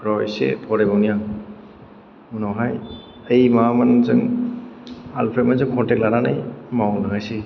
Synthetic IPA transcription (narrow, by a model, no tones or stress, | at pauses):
ɾɔjsḛpʰɔɾebawnija | munɔɦaj | ejmamanzɯŋ | alpʰemazɯŋkʰɔntɛk̚lananajmawnɯŋajsi